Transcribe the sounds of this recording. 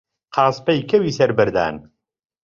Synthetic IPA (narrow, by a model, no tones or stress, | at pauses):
qʰɑːspɐjkʰɐwiːsɐɾbɨɾd̪a̰ːn